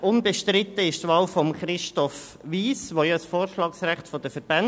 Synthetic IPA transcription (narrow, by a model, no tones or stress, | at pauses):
ʊnbeʃtɾɪt̪ːəɪʃtʋɑːlfɔmχɾɪʃtɔf | ʋiːsʋojɑsfoːɾʃlɑːksræχtfɔd̥əfəɾb̥æn